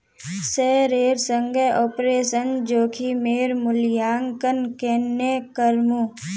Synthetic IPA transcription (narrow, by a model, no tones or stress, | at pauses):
seːɾeːɾsəŋɡeʔoːpɾeːʃənd͡ʒoːkʰimeːɾmʊljaːŋkənkeːnːekəɾmu